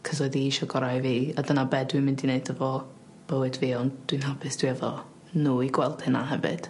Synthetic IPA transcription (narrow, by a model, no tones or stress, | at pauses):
kʰəsɔɨðiiʃɔɡɔɾajviːadənabɛdwimɪndineɨdəvɔ | b̥əwɨdviːɔnd̥winɦapʰɨsd̥wiɛvɔ̰ | nuːiɡwɛlˠd̥hɨna̰ɦɛvɨ̰d̥